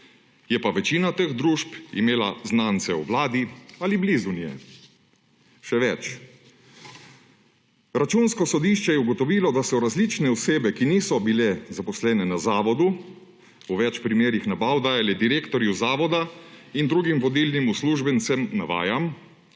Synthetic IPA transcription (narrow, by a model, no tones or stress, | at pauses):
jɛpaʋɛt͡ʃiːnat̪exd̪ɾuːʃpḭmeːlaznaːnt̪sɛuʋlaːd̪ialiblizunijɛ̰ | ʃɛʋɛt͡ʃ | ɾat͡ʃuːnskɔsɔd̪iːʃt͡ʃɛjɛuɡɔt̪ɔʋiːlɔd̪asɔɾazlit͡ʃnɛɔseːbɛkiniːsɔbilɛzapɔslɛːnɛnazaːʋɔd̪u | uʋɛt͡ʃpɾimeːɾixnabawd̪aːjalɛd̪iɾeːkt̪ɔɾjuzaːʋɔd̪aind̪ɾuːɡimʋɔd̪iːlnimusluʒbɛnt̪sɛmnaʋa̰ːjam